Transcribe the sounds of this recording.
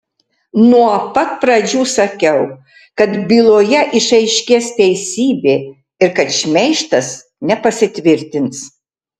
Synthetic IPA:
nuɔpɐt̪̚pɾɐd͡ʒʲuːsɐkʲɛʊ | kɐt̪bʲiːlˠoːjɛʔɪʃɐɪʃʲkʲeːst̪ʲɛɪsʲiːbʲeː | ɪɾkɐt̪ʃʲmʲɛɪʃt̪ɐs | nʲɛpɐsʲɪt̪ʲʋʲɪɾʲt̪ʲɪns

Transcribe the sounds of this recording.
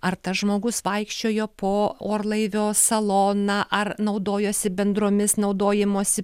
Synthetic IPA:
ɐɾt̪ɐsʒmoːɡʊsʋɐɪkʃʲt͡ʃʲoːjoːpoːoːɾlˠɐɪʋʲoːsɐlˠoːnɑʔɐrnɒʊd̪oːjoːsʲɪbʲɛnd̪ɾoːmʲɪsnɒʊd̪oːjɪmoːsʲɪ

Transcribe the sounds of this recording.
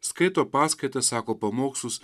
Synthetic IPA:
sket̪opasket̪ɐsakopɐmoksus

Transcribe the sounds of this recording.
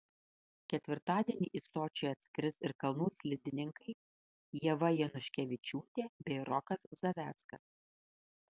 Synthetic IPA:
kʲɛt̪ʲʋʲɪɾt̪ɑːd̪ʲiɛnʲiːʔisoːt͡ʃʲɛɐt̪ʲsʲkʲɾʲɪsɪɾkɐlˠnuːsʲlʲɪd̪ʲɪnʲɪŋkɐɪ | jɛʋɐjɛnʊʃʲkʲɛʋʲɪt͡ʃʲuːt̪ʲeːbʲɛɪɾɔkɐszɐʋʲæːt̪skɐ̰s

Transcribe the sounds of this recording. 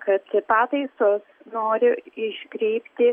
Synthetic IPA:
kɐt̪ɪpɑːt̪ɐɪsoːs | noːɾʲɪɪʃʲkɾʲɛɪpʲt̪ʲɪ

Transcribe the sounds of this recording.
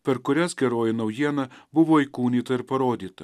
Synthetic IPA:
pʲɛɾkʊɾʲæsɡʲɛɾoːjɪnɐʊjiɛnɐbʊʋoɪkuːnʲiːt̪ɐɪɾpɐɾoːd̪ʲiːt̪ɐ

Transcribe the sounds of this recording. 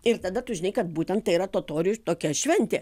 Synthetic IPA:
ɪɾt̪ɐd̪ɐt̪ʊʒʲɪnɐɪkɐt̪̚buːt̪ʲɛnt̪̚t̪ɐɪiɾɐt̪oːt̪oːɾʲɪjut̪oːkʲɛʃʲʋʲɛnʲt̪ʲeː

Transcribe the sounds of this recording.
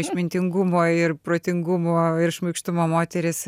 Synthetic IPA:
ɪʃʲmʲɪnʲt̪ʲɪŋɡʊmoːɪrpɾoːt̪ʲɪŋɡʊmoːɪɾʃmɐɪkʃt̪ʊmoːmoːt̪ʲɛɾʲɪs

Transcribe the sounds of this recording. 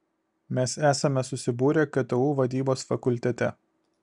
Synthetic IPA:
mʲɛsæːsɐmʲɛsʊsʲɪbuːɾʲɛkʲɐt̪ɐuːʋɐd̪ʲiːboːsfɐkʊlʲt̪ʲɛt̪ʲɛ

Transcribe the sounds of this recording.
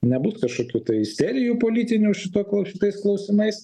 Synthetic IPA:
nʲɛbʊskɐʃkoːkʲuːt̪ɐɪsʲɛɾʲɪjuːpoːlʲiːt̪ʲɪnʲuːʃʲɪt̪oːkˠʃʲɪt̪ɐɪsklˠɐʊsʲɪmɐɪs

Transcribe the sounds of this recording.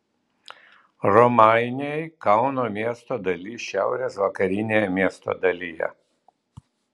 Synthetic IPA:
ɾɔmɑɪnʲejkɑʊnoːmʲiɛst̪oːd̪ɐlʲiʃʲæˑʊɾʲeːsʋɐkɐɾʲɪnʲeːjɛmʲiɛst̪o̰ːd̪ɐlʲijɛ̰

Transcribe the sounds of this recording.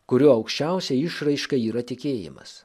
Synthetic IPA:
kʊɾʲuːɐʊkʃʲt͡ʃʲɛˑʊsʲɛɪʃɾɐɪʃkɐiːɾɐt̪ʲɪkʲeːjɪ̰mɐ̰s

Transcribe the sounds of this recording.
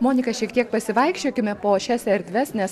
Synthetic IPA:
moːnʲɪkɐʃʲiɛkt̪ʲiɛk̚pɐsʲɪʋɐɪkʃʲt͡ʃʲoːkʲɪmʲɛpoːʃʲɛsɛɾʲd̪ʲʋʲɛsnʲɛs

